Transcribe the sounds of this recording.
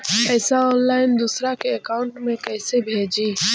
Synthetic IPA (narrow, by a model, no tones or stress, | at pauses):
ɛːsaɔːnlaːɪnd̪uːsɾakeəkaːʊɳʈmẽkɛːsebʱeːd͡ʒiː